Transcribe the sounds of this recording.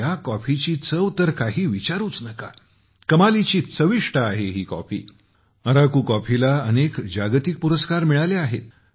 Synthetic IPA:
akɔfit͡ɕiːt͡səʋt̪əɾkaɦiːʋit͡ɕaɾuːt͡snəka | kəmalit͡ɕiːt͡səʋiʂʈəːɦeɦiːkɔ̰fḭː | əɾakuːkɔfilaənekd͡ʑaɡt̪ik̚puɾəskaɾmiɭaleaɦet̪̚

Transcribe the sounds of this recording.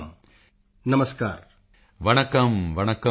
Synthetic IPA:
m | nɐmɐskaːɾ | ʋɐɳɐkɐmʋɐɳɐkɐ

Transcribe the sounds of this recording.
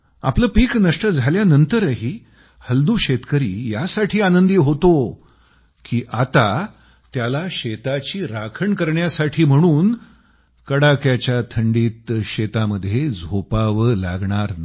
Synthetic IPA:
a̰pləːpiːknəʂʈəd͡zʱaljanənt̪əɾəɦiː | həld̪uːɕet̪kəɾḭːjasaʈʰiːanənd̪iːɦot̪o | kiːʔat̪a | t̪jalaɕet̪at͡ɕiːɾakʰəɳkəɾɳjasaʈʰiːm̤əɽ̃uːn | kəɽakjat͡ɕjat̪ʰəɳɖiːt̪ɕet̪aməd̪ʱːjed͡zʱopaʋəla̰ɡɳaɾn

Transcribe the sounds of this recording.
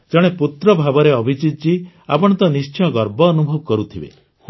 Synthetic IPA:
d͡ʒɔɽ̃eput̪ɾɔbʱabɔɾeɔbʱit͡ʃit̪t͡ʃi | a̰pɔɽ̃ɔnt̪ɔnist͡ʃʰiɔɡɔɾbɔːnubʱɔbɔkɔɾut̪ʰibḛ

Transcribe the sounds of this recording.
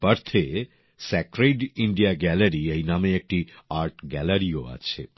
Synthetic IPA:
pəɾt̪ʰe | sɛkɾeɖiɳɖijaɡɛləɾiejnameːk̚ʈiaɾʈɡɛləɾioa̰t͡ʃʰḛ

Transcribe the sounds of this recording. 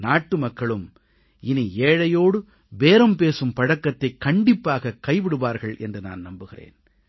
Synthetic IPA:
naːʈːɯmɐkːɐɭɯm | ɪnieːɻɐjoːɽɯ | ʋeːɾɐmpeːsɯmpɐɽɐkːɐt̪ːɐɪkːɐɳɖɪpːaːɣɐkːɐɪʋɪɽɯʋaːɾɣɐɭʔɛ̰ndrɯna̰ːnnɐmbɯɣɪrḛːn

